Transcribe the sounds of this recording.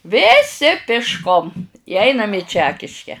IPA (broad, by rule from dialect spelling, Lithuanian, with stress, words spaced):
ʋʲeːˈsʲɪ pʲɪʃˈkoːm ɪ ˈɐɪnɐm ɪ ˈt͡ʃʲæːkʲɪʃʲkʲɛ